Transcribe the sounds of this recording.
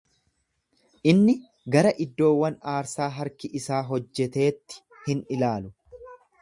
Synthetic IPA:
ʔɪnːɪ | ɡɐɾɐʔɪd̪ːo̞ːwːɐnaːɾsaːɦɐɾkɪʔɪsaːɦɔd͡ʒːɛt̪e̞ːt̪ːɪ̥ | hɪnɪlaːlʊ

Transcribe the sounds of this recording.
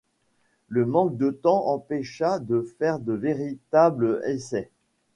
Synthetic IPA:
ləmɑ̃k̚d̪ət̪ɑ̃ʔɑ̃pɛʃad̪əfɛʁd̪əveʁit̪abləesɛ

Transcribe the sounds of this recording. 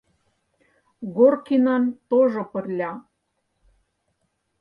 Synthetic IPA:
ɣorkinɑnt̪oʒopə̆rlʲɑ

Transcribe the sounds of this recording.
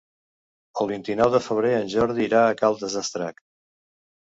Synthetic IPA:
əlˠβint̪inɔwðəfəβ̞ɾeənʲʒɔɾð̞iːɾaəkalˠd̪əzəst̪ɾa̰kt̪

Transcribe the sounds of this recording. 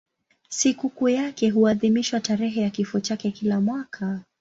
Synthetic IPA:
sikukujakɛɦuaðimiʃwataɾɛɦɛjakifɔt͡ʃakɛkilamwakʰa

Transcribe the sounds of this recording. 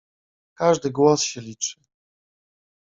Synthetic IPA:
kaʐd̪ɘɡwɔsɕɛlʲit͡ʂɘ̥

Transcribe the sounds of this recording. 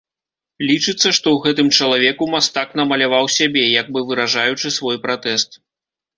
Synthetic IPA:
lʲit͡ʂɨt̪sːɐʂt̪ɔwɣɛt̪ɨmt͡ʂɐlˠavʲɛkumast̪akn̪ɐmɐlʲavawsʲabʲɛjaɡ̚bɨvɨɾaʐajut͡ʂɨsvɔjpɾat̪ɛst̪

